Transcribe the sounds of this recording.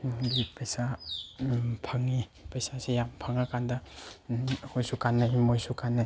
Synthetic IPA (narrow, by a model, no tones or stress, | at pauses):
bipejsa | pʰaŋːipejsasejampʰaŋakandɐ | hojsukanːajmojsukanːaj